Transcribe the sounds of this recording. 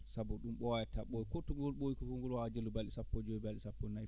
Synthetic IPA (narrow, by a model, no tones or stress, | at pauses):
sabɔɗumɓɔwajɛtaɓoikɔtɔŋɡɔlɓojikɔkɔŋɡɔlwad͡ʒelubalɗisapːɔd͡ʒoibalɗisapːɔnaj